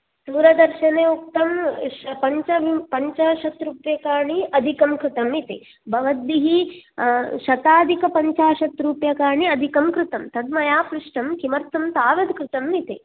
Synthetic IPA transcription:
d̪uːɾɐd̪ɐɾʃɐneːuk̚t̪ɐmʃpɐɲt͡ʃɐʋipɐɲt͡ʃaːʃɐt̪ɾuːpjɐkaːɳiɐd̪ʱikɐmkɾɪt̪ɐmit̪e | bʱɐʋɐd̪ːiɦi | ʃɐt̪aːd̪ʱikɐpɐɲt͡ʃaːʃɐt̪ɾuːpjɐkaːɳiɐd̪ʱikɐmkɾɪt̪ɐmt̪ɐd̪mɐjaːpɾiʂʈɐmkimɐɾt̪ʰɐmt̪aːʋɐd̪kɾɪt̪ɐmit̪e

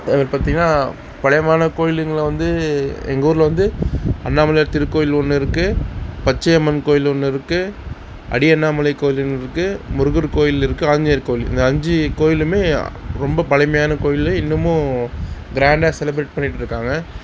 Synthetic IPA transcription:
ɐʋɐɾpaːɾt̪ĩːŋɡɐnːaː | pɐɭɐjmaːnɐkoːjɪlɯŋɡɐɭɐʋɐnd̪ɯɛ̰ŋɡɐuːɾɪlʋɐnd̪ɯɐnːaːmɐlɐjt̪ɪɾɯkːoːjɪlɔnːɯɪɾɯkːɯpɐt͡ʃːɐjɐmɐnkoːjɪlɔnːɯɪɾɯkːɯ | ʔɐ̰ɽɪɐnːaːmɐlɐɪkːoːjɪlnːɪɾɯkːɯmʊɾɯɣɯɾkoːjɪlɪɾɯkːɯaːɲd͡ʒɐjɐɾkoːjɪlɪ̰nd̪ɐɐɲd͡ʒɯkoːjɪlɯmeːɾɔmbɐpɐɻɐɪmɐjaːnɐkoːjɪlɐɪnːɯmʊ̃ | ɡɪɾaːɳɖaːsɛlɪbɾeːʈ̚pɐɳːɪʈːɪɾɯkːaːŋɡɐ

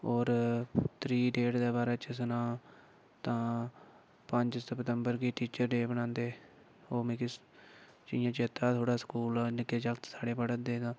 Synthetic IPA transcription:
oːɾt̪ʰɾiːɖeːɖd̪aːbaːɾaːt͡ʃəsənaː | t̪ãː | pəɲd͡ʒsəpt̪əmbəɾɡiːʈiːt͡ʃəɾɖeːbənãːnd̪eː | oːmẽkɪs | t͡ʃɪ̃jãːt͡ʃeːt̪aːt̪ʰoːɽaːskuːlːnɪkeːd͡ʒəkt̪saːɽeːpəɽəd̪eːd̪ãː

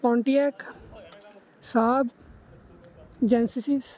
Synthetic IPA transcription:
pɔ̃ːɳʈiɛk | saːb | d͡ʒɛ̃nsisis

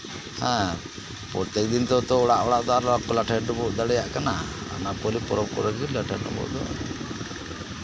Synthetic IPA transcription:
hɛ̃ | pɔɾt̪ɛk̚d̪int̪ɔt̪ɔɔɽaʔɔɽaʔd̪ɔaɾɔakɔlaʈʰanɔbɔʔd̪aɽɛjaʔkanaa̰napɔlipɔɾɔb̚kɔɾɡɡilaʈʰanɔ̰bɔ̰ʔd̪ɔ̰

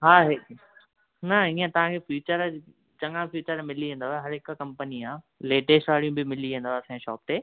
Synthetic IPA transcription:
ɦaːɦe | nɐiə̃t̪ɐʋ̤ãkʰefjuːt͡ɕəɾ | t͡ɕɐ̃ŋãfjuːt͡ɕəɾmɪliẽːn̆d̪oaeɦɐɾɦɪkkɐ̃mpəniaː | leːʈeːʃʈaːɽijũbɪmɪliʋẽːn̆d̪oasãʃɔ̰ːp̚t̪eː

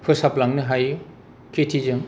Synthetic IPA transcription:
pʰɯsaplaŋnɯɦaju | kʰetʰizɯŋ

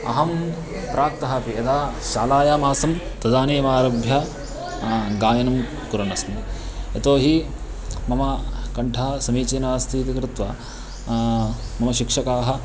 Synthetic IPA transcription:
ɐ̰ɦɐm | pɾʔaːk̚t̪ɐɦɐpiet̪aːʃaːlaːjaːmaːsɐm | t̪ɐd̪aːneːʋaːɾɐbʱjɐ | ɡaːjɐnɐm | kuɾɐɳɐsmɐ | et̪oːɦi | mɐmɐkɐɳʈʰɐːɐsɐmiːt͡ʃeːnaːst̪ʰiːt̪ikɾɪt̪ʋɐ̰ | mɐmɐʃikʂɐkaːɦɐ̆

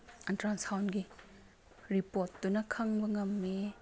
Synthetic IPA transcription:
ɐntɾansawnɡi | ɾipotːunɐkʰɐŋbɐŋɐmːe

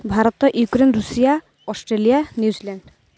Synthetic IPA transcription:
bʱaɾɔt̪ɔʔjukɾenɾusija | ɔsʈɾelijanjuzilɛɳɖ

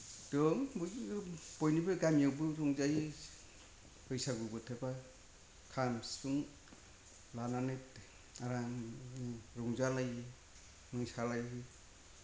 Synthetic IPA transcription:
dɔŋbub̥ɔjnibɯɡamiawbɯɾɔŋzaji | hɯjsaɡubɯtʰeba | kʰamsuŋ | lananet | aɾa | ɾɔŋzalaji | nɯŋsalajhɯ

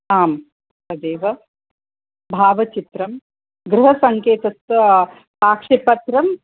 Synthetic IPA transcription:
aːm | ɐd̪eːʋɐ | bʱaːʋɐt͡ʃit̪ɾɐm | ɡɾuɦɐsɐŋkeːt̪ɐt̪ʋɐ | paːkʂipɐt̪ɾɐm

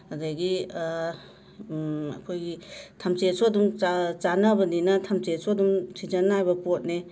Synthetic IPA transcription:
adaɡi | ɐ̰kʰojɡitʰamt͡ʃesodumat͡ʃanabɐninɐtʰamt͡ʃesodumtʰid͡ʒanːajbɐpot̚ne

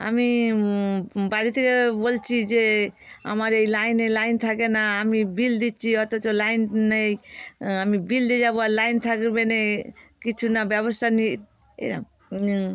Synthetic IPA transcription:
a̰mi | baɽit̪ʰekebolt͡ʃʰid͡ʒea̰maɾejlajnejlajnt̪ʰakenaːmibild̪it͡ʃʰiɦɔt̪ɔt͡ʃɔlajnnejamibild̪ed͡ʒaboalajnt̪ʰakɾbenekit͡ʃʰunabɛβɔst̪ʰani | ḛna̰

